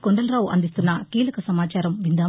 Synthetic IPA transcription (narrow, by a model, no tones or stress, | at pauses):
koɳɖɐlɾaːwʔɐ̰nd̪ist̪unːɐkiːlɐkɐsɐmaːt͡ʃaːɾɐmʋind̪aː